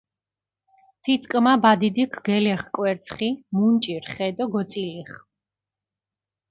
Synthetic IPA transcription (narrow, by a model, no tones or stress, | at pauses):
t̪ʰit̪sʰʼkʼmabad̪id̪ikʰɡɛlɛχkʼwɛɾt̪sʰχimunt͡ʃʼiɾχɛd̪ɔɡɔt̪sʼiliχ